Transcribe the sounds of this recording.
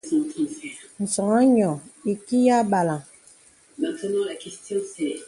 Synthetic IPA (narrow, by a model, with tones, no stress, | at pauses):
sɔ̃˨ti˦sɛ˨n̩˨sɔ˨ŋa˦ɲɔ˨i˨ki˦ja˦ba˨la˨ | mɛ̃˨t̪ə˦nɔ̃˦la˨kɛ˨st̪jɔ̃˦sɛ˨